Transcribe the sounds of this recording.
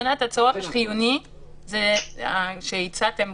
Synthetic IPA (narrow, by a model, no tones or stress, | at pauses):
nat̪at͡soʁafaʃχijuni | zeaʃeit͡sat̪em